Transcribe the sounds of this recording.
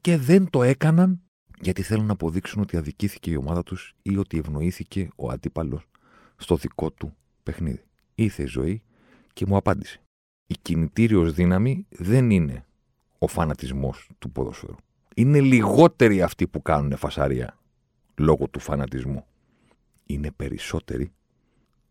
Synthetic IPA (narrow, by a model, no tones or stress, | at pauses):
ce̞ðe̞nt̪o̞e̞kɐnɐn | ʝɐt̪iθe̞lunːɐːpo̞ðiksuno̞t̪iɐðiciθi̥ce̞io̞̰mɐðɐt̪usio̞t̪ie̞vno̞iθice̞o̞̰ɐ̰d̪ipɐlo̞sː | t̪o̞ðiko̞t̪u | pe̞xnḭði | iɾθe̞izo̞̰i | ce̞muɐpɐnd̪i̥se̥ | icinit̪iɾio̞zðinɐmiðe̞nine̞ | o̞fɐnɐt̪izmo̞st̪upo̞̰ðo̞̰sfḛɾu | ine̞liɣo̞t̪e̞ɾiɐft̪ipukɐnune̞fɐsɐ̰ɾiɐ̰ | lo̞ɣo̞t̪ufɐnɐt̪izmu | ine̞pe̞ɾḭso̞t̪e̞̰ɾi